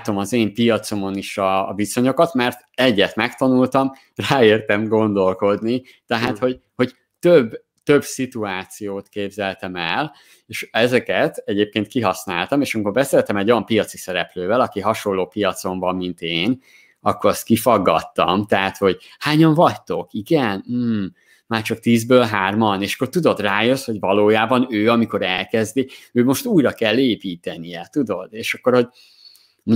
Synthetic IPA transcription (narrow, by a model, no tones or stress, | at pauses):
t̪o̞mɒzeːmpijɒt̪so̞mo̞niʃɒviso̞ɲo̞kɒt̪mɛrt̪ɛɟːɛt̪mɛkt̪ɒnult̪ɒm | raːeːrt̪ɛmɡo̞nd̪o̞lko̞d̪ni | t̪ɛɦaːt̪ho̞ɟho̞ɟ | t̪øbː | t̪ø̞bsit̪uaːt̪sijoːt̪keːbzɛlt̪ɛmɛl | eːʃɛzɛkɛt̪ɛɟeːp̚keːnt̪̚kiɦɒsnaːlt̪ɒmeːʃɒmiko̞rbɛseːlt̪ɛmɛɟːojɒmpijɒt̪sisɛɾɛpløːvɛlɒkiɦɒʃo̞lːoːpijɒt̪so̞ɱvɒmːint̪eːn | ɒkːoɾɒst̪kifɒɡːɒ̰t̪ːɒ̰mt̪ɛɦat̪ho̞ɟ | haːɲɒɱvɒct̪o̞kiɡɛn̩ː | maːrt͡ʃɒk̚t̪iːzbøːlɦaːrmɒneːʃɒ̥kːort̪ud̪o̞d̪raːjøsho̞ɟvɒloːjaːbɒnøːɒmiko̞ɾɛlkɛzd̪iøːmo̞ʃt̪uːjɾɒkɛlːeːpiːt̪ɛnijɛt̪ud̪o̞d̪eːʃɒkːo̞rho̞ɟ